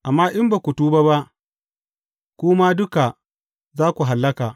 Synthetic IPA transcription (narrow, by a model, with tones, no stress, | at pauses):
ʔa˨mːaː˦ʔɪ˦mba˨kʷu˨tuː˦ba˦ba˦ʔ | kʷʊː˦ma˦dʊ˦ka˨ | zaː˦kʷu˨ɦa˨lːɐ˦kaː˨